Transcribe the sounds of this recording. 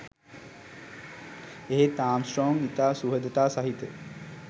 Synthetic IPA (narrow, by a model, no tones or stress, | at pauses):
eɦet̪aːmsʈroːŋit̪aːsuɦəd̪ət̪aːsaɦit̪ə